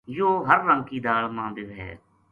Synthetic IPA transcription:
joːɦəɾːə̃ŋkiːd̪aːɭmãːd̪eːɦɛ̰ː

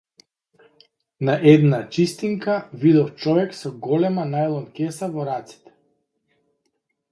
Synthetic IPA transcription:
naʔɛd̪nat͡ʃist̪iŋkavid̪ɔft͡ʃɔvɛksɔɡɔlɛmanajlˠɔnkʲɛsavɔɾat̪si̥t̪ɛ̥

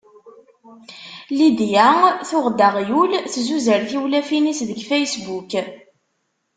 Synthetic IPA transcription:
lid̪jæθʊʁd̪əʁjulθzuzəɾθiwlæfinisðəɡfæjsbuk

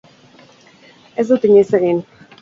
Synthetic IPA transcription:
ezd̪ut̪iɲiseɣin

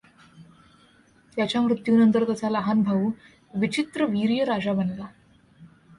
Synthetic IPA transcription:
t̪jat͡ɕjamɾut̪juːnənt̪əɾt̪jat͡saləɦanbʱaʋu | ʋit͡ɕit̪ɾəʋiɾjəɾad͡ʑabənla

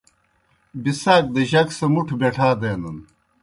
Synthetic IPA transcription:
bisaːk̚d̪ɐʑɐksɐmuʈʰbeʈʰaːd̪eːnɐn

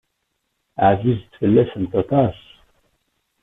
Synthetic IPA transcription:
ʕazizt̪fɨlːæsənt̪ɑt̪ʰɑs

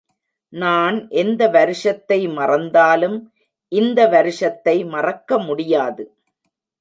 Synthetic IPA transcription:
naːnʔɛnd̪ɐʋɐɾɪʂɐt̪ːɐɪmɐrɐnd̪aːlɯm | ʔɪnd̪ɐʋɐɾɪʂɐt̪ːɐɪmɐrɐkːɐmʊɽɪjaːðɯ

